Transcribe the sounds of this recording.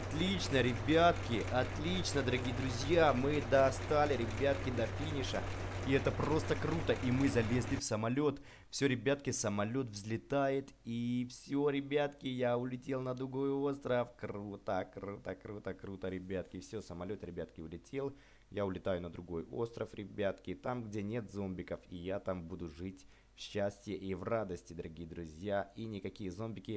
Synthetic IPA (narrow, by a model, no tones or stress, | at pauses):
ɐt̪lʲit͡ɕnəɾʲɪbʲat̪kʲɪʔɐt̪lʲit͡ɕnəd̪əɾɐɡʲijəd̪ɾʊzʲjamɨd̪əst̪alʲɪɾʲɪbʲat̪kʲɪd̪ɐfʲinʲɪʂə̰iɛt̪əpro̞st̪əkɾut̪əʔimɨzɐlʲezlʲɪfsəmɐlʲo̞t̪ | fsʲoɾʲɪbʲat̪kʲɪsəmɐlʲo̞t̪vzʲlʲɪt̪ajɪt̪ifsʲoɾʲɪbʲat̪kʲɪjaʊlʲɪtʲe̞lˠnəd̪ɾʊɡo̞jo̞st̪ɾəfkrut̪əkɾut̪əkɾut̪əkɾut̪əɾʲɪbʲat̪kʲɪfsʲosəmɐlʲo̞t̪ɾʲɪbʲat̪kʲɪʊlʲɪtʲe̞lˠ | jaʊlʲɪt̪ajʊnəd̪ɾʊɡo̞jo̞̰st̪ɾəfɾʲɪbʲat̪kʲɪt̪amɡdʲenʲe̞t̪zo̞mbʲɪkəfijat̪ambud̪ʊʐɨtʲ | fɕːæsʲtʲjəʔivrad̪əsʲtʲɪd̪əɾɐɡʲijəd̪ɾʊzʲjainʲɪkɐkʲijəzo̞mbʲɪkʲɪ